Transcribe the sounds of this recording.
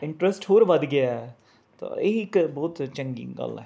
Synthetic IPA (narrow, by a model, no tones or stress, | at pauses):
ɪ̃ɳʈɾəsʈhoːɾʋɐd̪ɡɪjaɛ | t̪o̰ɪkbɔːt̪t͡ʃə̃ŋɡḭŋɡɐ̰lɛ̰ː